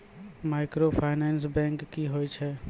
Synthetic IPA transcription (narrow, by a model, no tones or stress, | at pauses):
maːɪkɾopʰaːɪnɛːns̬bɛ̃ːŋkːiɦojt͡ʃʰɛ